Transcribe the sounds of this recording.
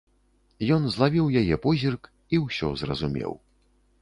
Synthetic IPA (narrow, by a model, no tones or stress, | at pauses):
jɔnzlˠavʲiwjajɛpɔzʲirk | iwsʲɔ̰zrɐ̰zumʲɛ̰w